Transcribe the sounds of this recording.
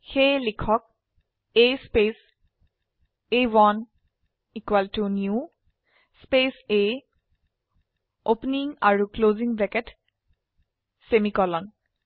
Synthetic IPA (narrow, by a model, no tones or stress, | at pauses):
xejlikʰɔk̚ | ejspes | ejwɔn | ikwaltunju | spese | opniŋaɹukloziŋblɛkɛt | semikɔlɔn